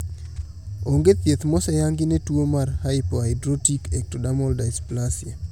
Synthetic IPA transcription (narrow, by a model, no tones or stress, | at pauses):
oŋɡet̪jet̪mɔsɛjaŋɡɪnetwomarhaɪpoaɪdɾotikɛk̚todamɔldajsplasja